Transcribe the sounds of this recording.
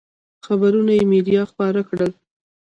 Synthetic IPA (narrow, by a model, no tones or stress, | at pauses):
xabaɾunajemedijɑxpɑɾakɽəl